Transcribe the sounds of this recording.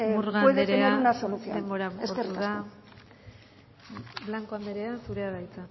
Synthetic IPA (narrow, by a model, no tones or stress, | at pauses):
uɾɣaojðeɾeenaaunasoluθiod̪emboɾaesoɾkeɾuaðsa | blaŋkoand̪eɾe̞asuɾe̞aðajt͡sa